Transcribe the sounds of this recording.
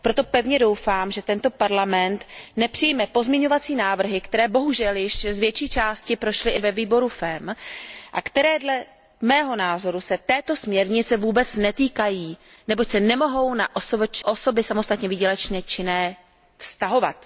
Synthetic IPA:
pɾo̞t̪o̞pɛvɲɛdo̞wfaːmʒɛt̪ɛnt̪o̞paɾlamɛnt̪nɛpr̥ɪjmɛpo̞zmɲɛɲo̞vat͡siːnaːvr̩ɦɪkt̪ɛɾɛːbo̞ɦuʒɛljɪʃzvjɛt͡ʃiːt͡ʃaːscɪpɾo̞ʃlɪʔɪvɛviːbo̞ɾufɛmʔakt̪ɛɾɛːdlɛ | mɛːɦo̞naːzo̞ɾusɛt̪ɛːt̪o̞smɲɛɾɲɪt͡sɛvuːbɛt͡snɛt̪iːkajiː | nɛbo̞csɛnɛmo̞ɦo̞wnaʔosovt͡ʃʔo̞so̞bɪsamo̞st̪at̪ɲɛviːɟɛlɛt͡ʃɲɛt͡ʃɪnɛː | fst̪aɦo̞va̰t̪

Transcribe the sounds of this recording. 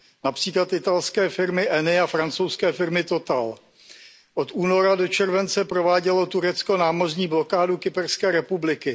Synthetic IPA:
napr̝̥iːklat̪ʔɪt̪alskɛːfɪɾmɪʔɛnɪafɾant͡sowskɛːfɪɾmɪt̪o̞t̪al | ʔo̞t̪ʔuːno̞ɾadot͡ʃɛɾvɛnt͡sɛpɾovaːɟɛlo̞t̪uɾɛt͡sko̞naːmo̞rɲiːblo̞kaːdukɪpɛrskɛːɾɛpublɪkɪ

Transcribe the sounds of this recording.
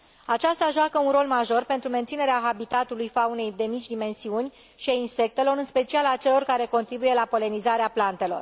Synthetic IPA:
at͡ʃast̪aʒoakəunɾo̞lmaʒo̞rpent̪ɾument̪sine̞ɾeaxabit̪at̪ulujfaune̞jd̪e̞mit͡ʃʲd̪ime̞nsiunʲ | ʃiainse̞k̚t̪e̞lo̞ɾɨnspe̞t͡ʃialat͡ʃe̞lo̞rkaɾe̞ko̞nt̪ɾibuje̞lapo̞le̞nizaɾeaplant̪e̞lo̞̰r

